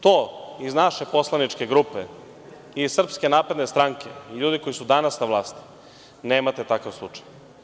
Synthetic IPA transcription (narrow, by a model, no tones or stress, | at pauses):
t̪oːiznaʃepo̞slˠanit͡ʃke̞ɡɾupḛ | izssr̩pske̞naːpɾe̞d̪ne̞st̪ɾaŋkeiʎuːd̪iko̞isud̪anasnaʋlˠaːst̪i̥ | neːmat̪et̪akaʋslˠṵt͡ʂḁj